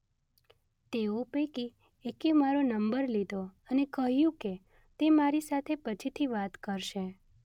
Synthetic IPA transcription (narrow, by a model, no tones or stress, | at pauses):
t̪eopeki | ekimaɾonəmbəɾlid̪ʱoənekəɦjũke | t̪emaɾisat̪ʰepət͡ʃʰit̪ʰiʋat̪kəɾʃe